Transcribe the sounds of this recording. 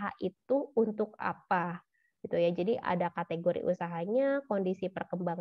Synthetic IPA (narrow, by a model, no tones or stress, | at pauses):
ɦa̰ʔit̪uunt̪ʊka̰pa | ɡit̪ujad͡ʒadiʔa̰dakat̪eɡoɾḭʔṵsaɦaɲakondisipərkəmbaŋ